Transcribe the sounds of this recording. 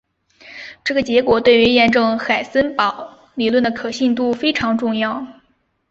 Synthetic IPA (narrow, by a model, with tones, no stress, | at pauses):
ʈ͡ʂɤ˥˩ɡə˩t͡ɕjɛ˧˥kwɔ˨˩t̪we˥˩ɪy˧˥jɛ˥˧nʈ͡ʂɤ˥˩ŋxa˨˩ɪsə˥npɑ˨˩˦ʊ | li˨˩lwə˥˩nd̪ə˩kʰɤ˨˩ɕi˥˧nt̪̬u˥˩fe˥ɪʈ͡ʂʰɑ˧˥ŋʈ͡ʂʊ˥˧ŋjɑ˥˩ʊ